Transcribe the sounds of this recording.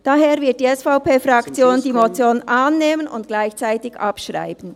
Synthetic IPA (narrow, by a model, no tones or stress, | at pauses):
d̥aɦeːʁvɪɐt̚d̥iːɛsfaʊpeːfʁɑkt͡sjoːndiːmot͡sjoːnʔaːnːeːmənʊ̰ntɡ̥laɪçt͡saɪtɪçʔɑpʃʁa̰ɪbn̩